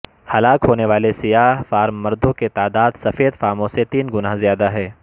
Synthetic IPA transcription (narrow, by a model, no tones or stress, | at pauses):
hɐlaːkɦoːneʋaːlesɪjaːɦfaːɾmːɐɾd̪õket̪aːd̪aːd̪sɐfeːd̪faːmõset̪iːnɡʊnaɦzijaːd̪aɦɛː